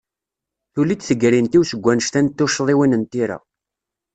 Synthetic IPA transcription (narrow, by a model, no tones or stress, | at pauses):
θulid̪θəɡɾint̪iwsəɡʷːænəʃt̪ænt̪ːʊʃðˤiwinənt̪iɾa̰